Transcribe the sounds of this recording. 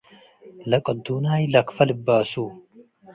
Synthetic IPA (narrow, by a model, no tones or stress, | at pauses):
lɐkʼɐd̪ːuːnaːjlɐkfɐlɨbːaːsuː